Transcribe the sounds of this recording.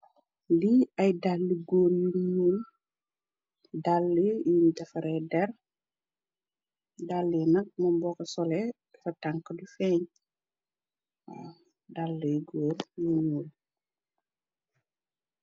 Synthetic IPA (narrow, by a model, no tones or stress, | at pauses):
liɐjdalːiɡoːrjuɲuːl | dalːijundɛfɐɾɛdɛr | dalːinɐk̚mɐbɔkɐsɔlɛ | fɐtaŋkːədufɛɲ | dalːəjɡoːrjuɲuːl